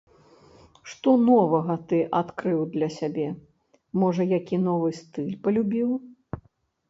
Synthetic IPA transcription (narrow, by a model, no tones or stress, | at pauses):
ʂt̪ɔnɔvɐɣɐt̪ɨʔat̪kɾɨwd̪lʲɐsʲabʲɛ | mɔʐɐjakʲinɔvɨst̪ɨlʲpɐlʲubʲiw